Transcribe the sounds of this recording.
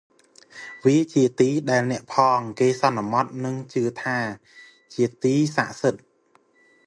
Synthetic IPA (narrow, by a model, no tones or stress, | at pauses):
ʋiət͡ɕiət̪iːɗaɛlnɛ̆əʔpʰɑːŋkeːsɑnːmɑt̪̚nɨŋt͡ɕɨət̪ʰaː | t͡ɕiət̪iːsa̰ʔsɨt̪̚